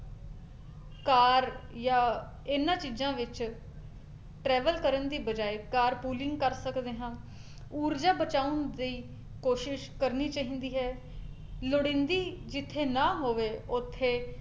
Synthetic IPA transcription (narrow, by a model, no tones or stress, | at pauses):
kaːɾjaː | ɪnːãːt͡ʃiːzãːʋɪt͡ʃ | ʈɾɛːʋəlkəɾənd̪iːbəd͡ʒaːeːkaːɾpuːlɪ̃ŋɡkəɾsəkd̪eːɦãː | uːɾd͡ʒaːbət͡ʃaːʊnd̪əiː | koːʃɪʃkəɾniːt͡ʃaːɦĩːnd̪iːɦɛː | loɽɪ̃nd̪iːd͡ʒɪt̪ʰːeːnãːɦoːʋeːʊt̪ʰːeː